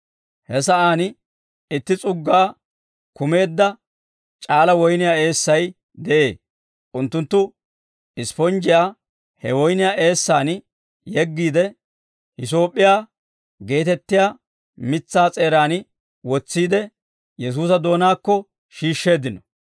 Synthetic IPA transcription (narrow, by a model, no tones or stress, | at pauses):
hɛsɐʔaːn | ɪt̪ːɪt͡sʼʊɡːaː | kʊme̞ːd̪ːɐ | t͡ʃʼaːlɐwɔjnɪjaːe̞ːsːɐj | d̪ɛʔe̞ː | ʔʊnt̪ːʊnt̪ːʊ | ɪspɔnd͡ʒɪjaː | hɛwɔjnɪjaːe̞ːsːaːn | jɛɡːiːd̪ɛ | hɪs̬o̞ːpʼːɪjaː | ɡe̞ːt̪ɛt̪ːɪjaː | mɪt͡sːaːt͡sʼe̞ːɾaːn | wɔt͡sːiːd̪ɛ | jɛs̬uːsɐd̪o̞ːnaːkːɔ | ʃiːʃːe̞ːd̪ɪnɔ